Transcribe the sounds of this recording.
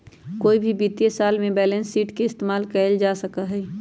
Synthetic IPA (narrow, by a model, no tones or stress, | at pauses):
koːibʱibiːt̪jesaːlmẽbɛːlɛ̃nsːiːʈkeɪst̪eːmaːlkɛːɪld͡ʒaːsəkaɦɛː